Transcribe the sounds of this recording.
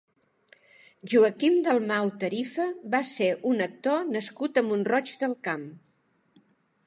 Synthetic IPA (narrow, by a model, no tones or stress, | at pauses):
ʒuəkimd̪əlˠmawt̪əɾifəβaseʔunək̚t̪onəskut̪əmbunrɔt͡ʃd̪əlˠkam